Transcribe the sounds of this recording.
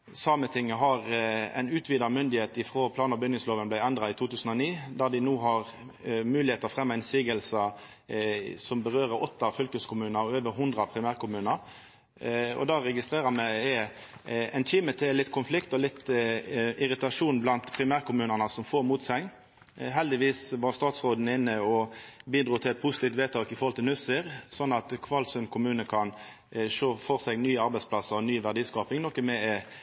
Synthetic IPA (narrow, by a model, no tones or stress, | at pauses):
sɑːmət̪ʰɪŋːəɦɑʁæ̰ɪnʉːt̪ʰʋiːd̪ɑmʏnd̪ɪheːt̪ɪfʁoːpʰlɑːnəbʏnɪŋsloːʋənblæɪɛnd̪ʁɑɪt̪ʰuːt̪ʉːsn̩ɔniːd̪æd̪ɪnuːɦɑʁ | mʉːlɪheːt̪əʁfʁɛmːɑɪnsiːɡəlsə | sɔmbəʁøːɾəɾɔt̪ːɑfʏlkəskʰʊmʉːnəɾɔøːʋəɾɦʊnd̪ʁɾɑpʰɾɪmæːʁkʊmʉːnəɾ | ɔ̰d̪ɑːʁɛɡɪst̪ʁeːɾəmæɪɛ | ɛnçiːmət̪ʰɛlɪt̪ːkʰʊnflɪkt̪ɔlɪt̪ː | ʔɪʁɪt̪ɑʂuːnblɑnt̪pʰʁɪmæːʁkʰʊmʉːnənəsɔmfoːʁmuːt̪sɛŋ | ɦɛld̪ɪʋiːsʋɑʁst̪ɑːt̪sʁoːd̪n̩əɪnːəɔbiːd̪ʁuːt̪ʰɪlɛt̪̚pʰʊsɪ̥t̪iːft̪ʋeːt̪ʰɑːkɪfɔʁhɔlt̪ɪlnʉsəɾsɔnːɑt̪kʰʋɑlsʉnkʰʊmʉːnəkʰɑn | ʂoːfɔʁsɛɡnyːəɑɾbæɪspʰlɑsəʁɔnyːʋæʁd̪iːskɑːpɪŋnɔkːəmɛɛ